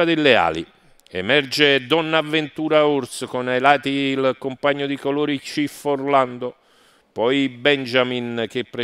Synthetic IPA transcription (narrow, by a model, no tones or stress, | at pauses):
ad̪ɪlːea̰ːlḭ | ɛ̰mɛrd͡ʒed̪ɔnːavːent̪uːɾauɾskonajlaːt̪iːlkompaɲːod̪ikoloːɾit͡ʃiforland̪o | pɔjbɛnd͡ʒamink̟epːɾe